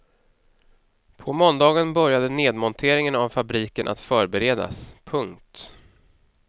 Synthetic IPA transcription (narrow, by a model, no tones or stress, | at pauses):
pʰɔmɔnd̪ɑːɡənbœɾjad̪əneːd̪mɔnt̪ʰeːɾɪŋənavfabɾiːkənʔa̰t̪fœːɾbɛɾeːd̪a̰spʰɵŋkt̪